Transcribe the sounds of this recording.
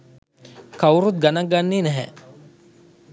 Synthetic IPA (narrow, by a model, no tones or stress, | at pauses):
kawɾut̪̚ɡanaɡanːiːnɛɦɛ̰